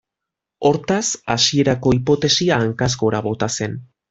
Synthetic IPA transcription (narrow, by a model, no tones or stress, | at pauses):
o̞ɾt̪asasie̞ɾako̞ipo̞t̪e̞siaːŋkasko̞ɾaβo̞t̪ase̞n